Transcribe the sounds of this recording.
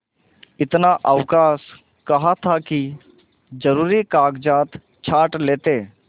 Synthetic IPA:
ɪt̪naʔəʋkaːs | kɐɦat̪ʰaki | d͡ʒɐɾuːɾikaːɡd͡ʒaːt̪ | t͡ʃʰaːʈleːt̪eː

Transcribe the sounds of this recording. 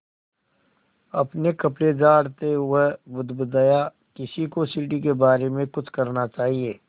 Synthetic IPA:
ɐpnekɐpɽed͡ʒaːɽt̪eɦʊebʊd̪bʊd̪aːja | kɪsikosiːʈikebaːɾemẽkʊt͡ʃʰkɐɾnat͡ʃaːɦieː

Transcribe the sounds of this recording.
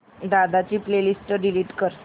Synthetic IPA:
d̪ad̪at͡ɕiːplelisʈəɖiliːʈkəɾ

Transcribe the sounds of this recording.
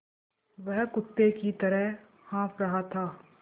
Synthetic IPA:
ʋɛɦkʊt̪ːekit̪ɐɾəɦ | hãːpɾɐɦat̪ʰaː

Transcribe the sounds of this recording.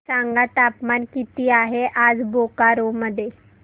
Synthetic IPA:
saŋɡat̪apmankit̪iaɦeʔaːd͡zbokaɾoməd̪ʱje

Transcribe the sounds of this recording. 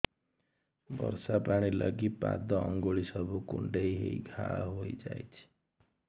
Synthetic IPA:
bʌ̰ɾsapaɽ̃ilʌɡipa̰d̪ʌːŋɡoɭisʌbʱukṵɳɖejɦḛjɡʱaɦojd͡zajt͡sʰi̥

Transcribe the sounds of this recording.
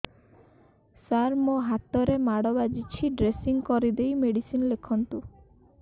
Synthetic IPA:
saɾmoɦat̪ɔɾemaɽɔbad͡ʒit͡ʃʰiɖɾesiŋkɔɾid̪ejmeɽisinɔlekʰɔnt̪u

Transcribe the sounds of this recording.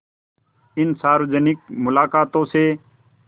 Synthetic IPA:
ɪnsaːɾod͡ʒənɪk̚mʊlaːkaːt̪õːseː

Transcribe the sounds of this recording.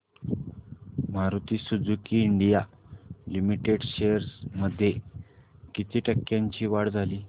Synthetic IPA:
m̤aɾut̪iːsud͡zukiːɳɖijalimiʈeɽɕeəɾsməd̪ʱːje | kit̪iːʈəkːjãɲt͡ɕiːʋaɽd͡zʱaliː

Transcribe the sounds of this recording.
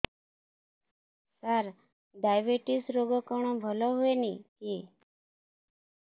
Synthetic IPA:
saɾ | ɖajʋeʈisɾoɡɔkɔɳ̃ɔ̃bʱəlɔɦoeniki

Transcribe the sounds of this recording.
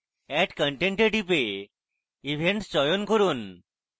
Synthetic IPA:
ɛʈkə̃ɳʈẽɳʈeɖipe | iʋʱeɳʈst͡ɕɔjunkɔɾuːn

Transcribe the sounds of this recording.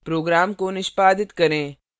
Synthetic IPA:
pɾoːɡɾaːmkonɪʃpaːd̪ɪt̪kɐɾẽː

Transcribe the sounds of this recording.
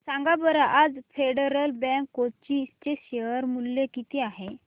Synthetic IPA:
sãŋɡabəɾaʔad͡zfeɽəɾəlbɛ̃ŋkːot̚t͡ɕist͡ɕeɕeəɾmulːekit̪eaɦe

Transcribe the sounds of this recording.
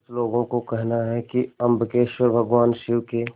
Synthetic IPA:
sloːɡõkokɛɦnaɦɛkiɐ̃mbʱəkeːʃwəɾbʱəɡʋaːnʃɪʋke

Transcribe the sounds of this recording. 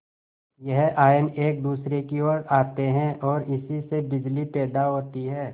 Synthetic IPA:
jɛɦaːɪneːk̚d̪uːsɾekioːɾaːt̪eɦɛ̃ʔɔːɾɪsisebɪd͡ʒlipɛːd̪aɦoːt̪iɦɛː

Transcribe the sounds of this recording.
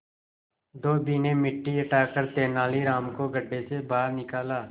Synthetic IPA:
d̪oːbiːnẽːmɪʈːiːəʈaːkəɾt̪eːnaːliːɾaːmkoːɡʱəɖːeːseːbaːɾnɪkaːlaː

